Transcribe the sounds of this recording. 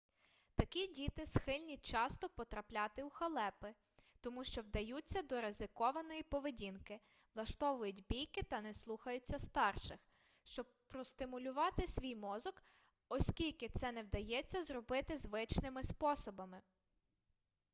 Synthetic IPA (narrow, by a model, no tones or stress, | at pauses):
t̪ɐkʲidʲit̪ɪsxɪlʲnʲit͡ʃɑst̪ɔpɔt̪ɾɐplʲɑt̪ɪuxɐlˠɛpɪ | t̪ɔmuʃt͡ʃɔwd̪ɐjut͡sʲːɐd̪ɔɾezɪkɔʋɐnɔjipɔʋedʲinkɪ | ʋlˠɐʃt̪ɔʋʊjʊtʲbʲijkɪt̪ɐnɛslˠuxɐjʊt͡sʲːɐst̪ɑrʃɪx | ʃt͡ʃɔb̚pɾɔst̪ɪmʊlʲʊʋɑt̪ɪsʲʋʲijmɔzɔk | ɔsʲkʲilʲkɪt̪sɛnɛwd̪ɐjɛt͡sʲːɐzrɔbɪt̪ɪzʋɪt͡ʃnɪmɪspɔsɔbɐmɪ